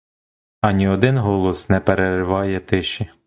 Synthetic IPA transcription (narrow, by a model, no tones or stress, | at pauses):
ɐnʲiɔd̪ɪnɦɔlˠɔsnɛpeɾerɪʋɑjɛt̪ɪʃi